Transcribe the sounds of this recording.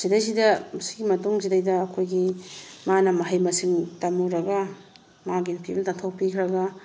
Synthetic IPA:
zidajzidɐmɐsi̥ɡimɐtuŋzidajdɐːkʰojɡimanɐmɐɦajmɐsiŋtamuɾɐɡɐ | maɡinpʰibntaŋtʰok̚pikʰɾɐɡɐ

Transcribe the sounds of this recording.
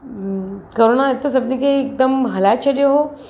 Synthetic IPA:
koɾonaet̪ːosɐbnikeːk̚d̪əmɦɐlajt͡ʃʰɐlijoɦo

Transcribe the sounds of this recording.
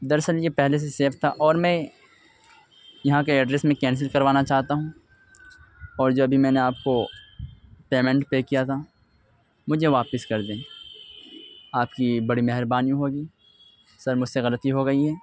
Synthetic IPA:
d̪ɐɾsəljepɛɦles̬eseːft̪ʰaʔɔːɾmɛ̃ | jɐɦãk̬eɛɖɾesmẽkɛ̃ːns̬ɪlkɐɾʋaːnat͡ʃaːɦt̪aɦũː | ɔːɾd͡ʒoːɐbʱimɛ̃ːneaːp̚ko | peːmɛ̃ɳʈpeːkijat̪ʰa | mʊd͡ʒʱeʋaːpɪskɐɾd̪ẽː | aːp̚kibɐɽimɛɦɪɾbaːnijũɦoːɡiː | sɐɾmʊd͡ʒʱseɣɐlət̪iɦoɡɐiɦɛː

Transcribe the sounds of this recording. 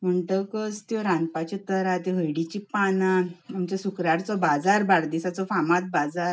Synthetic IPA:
m̤əɳʈəkəst̪jɔɾãnpat͡ɕet̪əɾat̪eɦəjɽit͡ɕipanaamt͡ɕasukɾaɽt͡sɔbad͡zaɾbaɾd̪isat͡sɔfamat̪̚bad͡zaɾ

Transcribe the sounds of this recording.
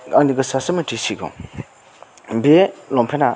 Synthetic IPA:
aŋndiɡəsasəməʈ͡ʂisiɡɔ̰ŋ | belɔmpʰena

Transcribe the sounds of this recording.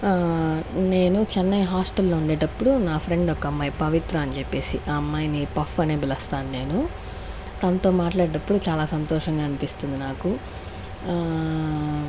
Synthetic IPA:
ne̞ːnut͡ʃɛnːɐjɦaːsʈɐlːoːuɳɖeːʈɐpːuɽunaːpʰɾe̞ɳɖɔkːɐmːaːjipɐʋit̪ɾɐɐnt͡ʃepːe̞ːsiʔɐmːaːjnipɐfɐne̞ːbilɐst̪aːnune̞ːnu | t̪ɐnɐt̪o̞ːmaːʈlaːɽɛʈɐpːuɽut͡ʃaːlaːsɐnt̪ɔːʂɐŋɡaːnipist̪und̪inaːku

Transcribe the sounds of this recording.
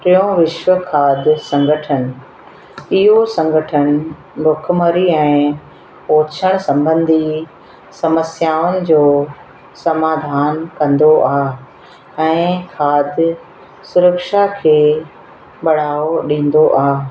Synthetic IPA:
tɪjõʋɪʃʋəkʰaːd̪ʱɪsɐ̃ŋɡʱəʈʰəñɪ̆ | ɪɦosɐ̃ŋɡʱəʈʰəñɪ̆ | bʱʊk̆ʰməɾiɛ̃ː | oːt͡ɕʰəɽ̃sɐ̃mbə̃nd̪ʱi | sɐməsjaːʊnɪ̆d͡ʑoː | sɐmaːd̪ʱaːnkɐ̃nd̪oʔaːɦ | ɛ̃ːkʰaːd̪ʱɪ | sʊɾəkʃakʰeː | ɓɐɽ̤aːoɗĩːn̆d̪oʔaː

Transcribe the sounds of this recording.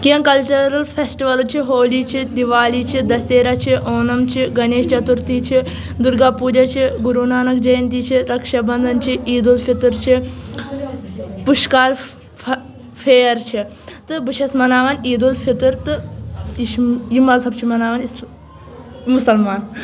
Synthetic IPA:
kijɐŋkɐlt͡ʃɐɾɐlpʰesʈiʋɐlt͡ʃʰiɦoːlit͡ʃʰid̪iʋaːliːt͡ʃʰid̪ɐseːɾɐt͡ʃʰiʔoːnɐmt͡ʃʰiɡɐneːʃt͡ʃɐt̪uɾt̪iːt͡ʃʰi | d̪uɾɡaːpuːd͡ʒɐt͡ʃʰiɡuɾunaːnɐkd͡ʒɐjɐnt̪iːt͡ʃʰiɾɐkʃɐbɐnd̪ʱɐnt͡ʃʰiiːd̪ulfʰit̪uɾt͡ʃʰi | puʃkaːɾ | fʰeːɐɾt͡ʃʰi | t̪ɨbɨʃɐsmɐnaːʋaːniːd̪ulfʰit̪uɾt̪ɨiʃjimɐlsɐb̚t͡ʃʰimɐnaːʋaːnis | musɐlmaːn

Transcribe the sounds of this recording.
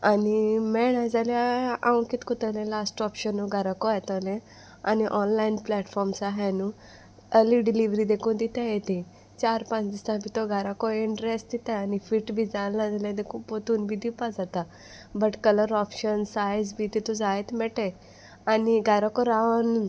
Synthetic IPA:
animɛɽãd͡zaljaãʋ̃kit̪kut̪əlẽlasʈɔpɕənːuɡʱaɾakɔajt̪ɔlẽ | aniʔɔnlainplɛʈfɔɾmsaɦanu | əliɖiliʋɾid̪ekũd̪it̪ãjet̪ĩ | t͡ɕaɾpãt͡sd̪isãbʱit̪oɡʱaɾakɔiɳʈɾesʈd̪it̪ãanifiʈbʱid͡zalãd͡zaljad̪ekũpot̪uːnbʱid̪ipad͡zat̪a | bəʈkələɾɔpɕənsajd͡zbʱit̪it̪ud͡zajt̪mɛʈe | aniɡʱaɾakɔɾaʋən

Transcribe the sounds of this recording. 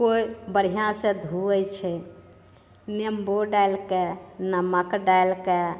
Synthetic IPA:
koibəɾ̤ijãsẽd̪ʱuɛt͡ʃʰɛ | nemboɖajlkenəməkɖajlke

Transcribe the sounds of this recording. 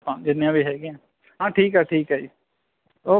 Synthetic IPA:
ãːd͡ʒɪnjãbʱiɦɛːɡijãː | ɦãːʈʰiːkɦɛːʈʰiːkɦɛi | oː

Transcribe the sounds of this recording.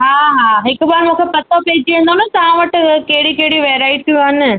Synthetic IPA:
ɦaːɦaɦɪkbaːɾmũkʰepɐt̪ːopeːd͡ʑʋẽːnd̪oːnət̪ɐʋãʋəʈkeːɽikeːɽiʋeːɾaːɪʈ̚kianɪ

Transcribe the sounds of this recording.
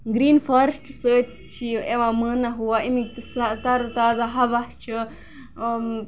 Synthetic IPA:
ɡɾiːnfʰɐɾsʈsəː | t͡ʃʰieʋãmənaɦuaimikt̪sat̪ɐɾt̪aːzaɦɐʋɐt͡ʃʰɨ

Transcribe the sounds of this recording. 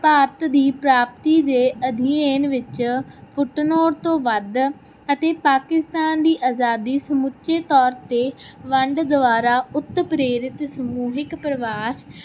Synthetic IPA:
paːɾt̪d̪iːpɾaːp̚t̪iːd̪eːəd̪ʱieːnʋɪt͡ʃpʰʊʈnoːɾt̪õːʋəd̪ | ət̪eːpaːkɪst̪aːnd̪iːʔaːzaːd̪iːsəmʊtːʃeːt̪ɔːɾt̪eːʋəɳɖd̪ʊʋaːɾaːʊt̪ːpɾeːɾɪt̪səmuːɦɪkpɾəʋaːs

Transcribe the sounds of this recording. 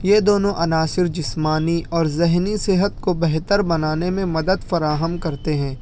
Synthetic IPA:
jed̪oːnõʔɐnaːsɪɾd͡ʒɪsmaːniʔɔːɾzɛɦnisɪɦət̪̚kobɛɦt̪əɾbɐnaːnẽmẽmɐd̪əd̪fɐɾaːɦəmkɐɾt̪eɦɛ̃ː

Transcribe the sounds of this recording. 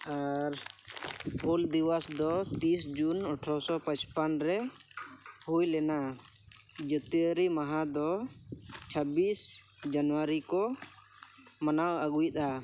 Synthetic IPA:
aɾ | pold̪iwasd̪ɔt̪isd͡ʒunɔʈʰɔsɔpãt͡ʃpanɾɛ | hujlɛna | d͡ʒət̪iəɾimaɦãd̪ɔ | t͡ʃʰəbis | d͡ʒanwaɾikɔ | manawaɡujt̪̚a

